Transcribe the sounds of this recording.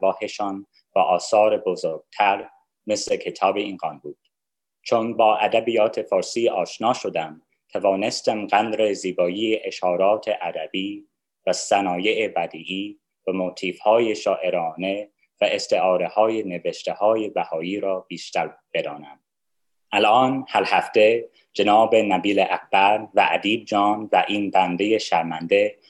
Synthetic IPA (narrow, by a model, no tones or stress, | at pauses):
vɒːheʃɑːn | bæʔɒːsɒːɾebozoɾɡ̥̚t̪ʰæɾ | meslekʰe̞t̪ʰɒːbeiːnɡɒːnbuːd̪̥ | t͡ʃʰonbɒːʔæd̪æbiːjɒːt̪ʰefɒːɾsiːʔɒːʃnɒːʃod̪æm | t̪ʰævɒːne̞st̪æmɢænd̪ɾeziːbɒːiːeʔeʃhɒːɾɒːt̪ʰeʔæd̪æbiː | væsænɒːjeʔebæd̪iːʔiː | væmot̪ʰiːfhɒːjeʃɒːʔe̞ɾɒːne̞ | væʔest̪ʰeʔɒːɾehɒːjeneveʃt̪ʰehɒːje̞bæhɒːiːɾɒːbiːʃt̪æɾb̥e̞d̪ɒːnæm | ʔælʔɒːnhæɾhæft̪e̞ | d͡ʒenɒːbenæbiːleʔækʰb̥æɾvæʔæd̪iːb̚d͡ʒɒːnvæʔiːnbænd̪e̞jeʃæɾmænd̪e